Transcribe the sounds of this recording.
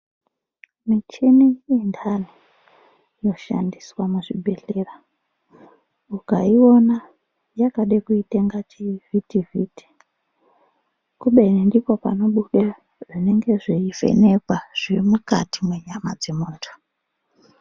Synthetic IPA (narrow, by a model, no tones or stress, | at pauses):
mit͡ʃinijendʰani | jo̞ʃa̰ndiswamuʐibʱeɬera | ukaio̞na | jakaɗekuiteŋɡat͡ʃivitivitʰi̥ | kuɓerendipo̞pa̰no̞ɓuɗe | ʐine̞ŋɡe̞ʐiivḛnekwaʐ̥irimuka̰timweɲama̰d͡ze̞muːntʰu̥